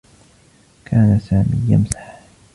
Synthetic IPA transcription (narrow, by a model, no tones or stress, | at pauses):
kʰaːnasaːmiːja̰msḁħ